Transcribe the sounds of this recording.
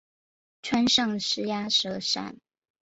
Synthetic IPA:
ʈ͡ʂʰwa˥nʂɤ˥˩ŋʂɻ̩˥ja˥ʂɤ˧˥ʂa̰˥˩n

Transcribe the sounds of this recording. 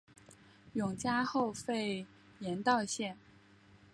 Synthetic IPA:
jʊ˨˩ŋt͡ɕja˥xo˥˧ʊfe˥˩ɪ | jɛ˧˥nt̪ɑ˥˧ʊɕjɛ˥˩n

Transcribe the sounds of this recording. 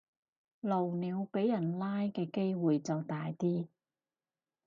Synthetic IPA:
lo˨˩wniː˨˧wpe˨˥jːɐ˨˩nlaː˥jkɛː˧ke˥jwuː˨jt͡sɐ˨wt̪aː˨jt̪iː˥

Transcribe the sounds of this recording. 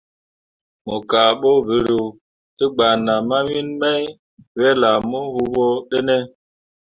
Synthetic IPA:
mɔ˨ka˨ɓo˦bi˨ɾu˨ | ti˦ɡ͡ba˨na˨ma˦mi˦nmɛ˦j | wɛ˦la˨mɔ˦hu˦bɔ˦ɗe˦ne˦

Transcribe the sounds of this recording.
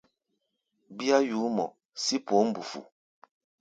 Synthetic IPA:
bi˦a˦juː˨˦mɔ̰˨ | si˦po˨˦m̩˦bu˨fṵ˨

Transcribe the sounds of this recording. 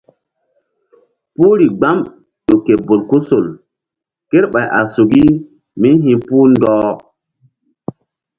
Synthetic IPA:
pu˦ɾi˨ɡ͡ba˦m | ɗo˨ke˨bo˨lku˦so˨l | ke˦ɾɓa˨jʔa˨su˨ɡi˦ | mi˦nɦĩ˨puː˦ndɔː˦

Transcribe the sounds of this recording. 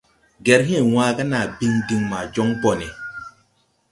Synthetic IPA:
ɡɛ˨ɾɦɛ̃˦˨wãː˦ɡa˦na˨bi˦ŋdi˨ŋmaː˨d͡ʒɔ˦ŋbɔ˨nɛ˨

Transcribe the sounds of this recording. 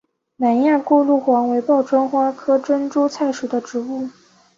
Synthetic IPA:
na˨˩nja˥˧ku˥˧lu˥˩xwɑ˧˥ŋwe˧˥ɪpɑ˥˩ʊʈ͡ʂwa˥ŋxwa˥kʰɤ˥ʈ͡ʂə˥nʈ͡ʂu˥t͡sʰa˥˩ɪʂu˨˩d̪ə˦ʈ͡ʂɻ̩˧˥u˥˩

